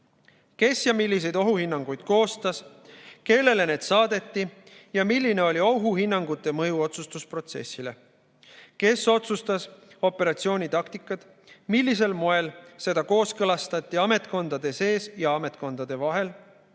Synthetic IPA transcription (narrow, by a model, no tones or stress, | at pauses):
ke̞sjɑmilːis̬e̞jd̪o̞ɦuhinːɑŋɡ̥ujd̪̥ko̞ːst̪ɑs | ke̞lːe̞le̞ne̞ːd̪sɑːd̪̥e̞t̪ˑːi | jɑmilʲːine̞o̞lʲio̞ɦuhinːɑŋɡ̥ut̪ːˑe̞mɤjuo̞t̪sust̪uspro̞t̪se̞̰sːile̞ | ke̞so̞t̪sust̪ɑso̞pːˑe̞ɾɑt̪sio̞ːnʲit̪ɑkt̪ikːˑɑt̪ | milʲːis̬e̞lmoe̞lse̞d̪ɑko̞ːskɤlɑst̪ɑt̪ʲːˑiɑme̞t̪̚ˑko̞nd̪̥ɑd̪̥e̞se̞ːsjɑɑme̞t̪̚ˑko̞nd̪̥ɑd̪̥e̞vɑɦe̞l